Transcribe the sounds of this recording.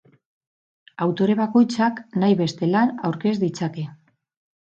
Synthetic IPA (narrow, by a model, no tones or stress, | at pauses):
awt̪o̞ɾe̞βako̞jt͡saknajβe̞st̪e̞lanawɾke̞zd̪it͡sake̞